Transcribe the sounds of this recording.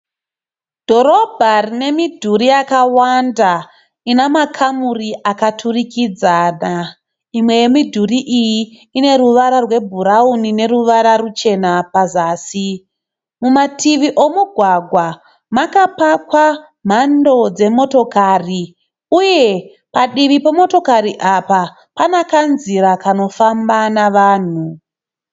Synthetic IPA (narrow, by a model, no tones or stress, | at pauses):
d̥ʱo̞ɾo̞bʱarine̞midʱuɾijakawanda | inamakʰamuriʔakatʰurikid͡zana | imwe̞je̞midʱuriʔijiː | ne̞ɾuʋaɾarwe̞bʱuɾaunine̞ɾuʋaɾarut͡ʃe̞napazaːsi | mumatʰiʋiʔo̞muɡʱwaɡʱwa | makapakwa | m̤ando̞d͡ze̞mo̞to̞kaːri | uje̞ | paɗiʋipemo̞to̞kaɾiʔapa | panakanziɾakano̞fambanaʋaːn̤u